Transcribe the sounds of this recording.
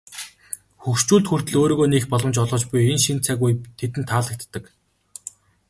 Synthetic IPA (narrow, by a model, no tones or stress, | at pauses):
xuxʃt͡ɕuːɮt̪xur̥t̪ɘ̆ɮoːɾoːɣoːnexpɔɮɞ̆mt͡ɕɔɮʁɞ̆t͡ɕpʊjenʃint̪t͡sʰæɣujt̪ʰet̪ɘ̆nt̪ʰːaːɮə̆k̚t̪ːə̆k